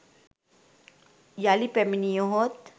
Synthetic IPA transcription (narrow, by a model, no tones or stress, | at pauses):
jaːlipeminijoɦot̪